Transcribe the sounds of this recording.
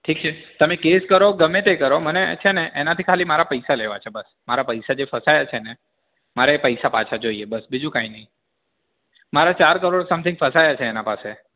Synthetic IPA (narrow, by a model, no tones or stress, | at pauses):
ʈʰik̚t͡ʃʰet̪əmekeskəɾoɡəmet̪ekəɾomənet͡ʃʰeneʔːnat̪ʰikʰalimaɾapəjsaleʋat͡ʃʰebəs | maɾapəjsad͡ʒefəsajat͡ʃʰene | maɾeepəjsapat͡ʃʰad͡ʒoiebəsbid͡ʒũkãinəɦĩ | maɾat͡ʃaɾkəɾoɽsəmt̪ʰɪ̃ŋɡfəsajat͡ʃʰeːnapase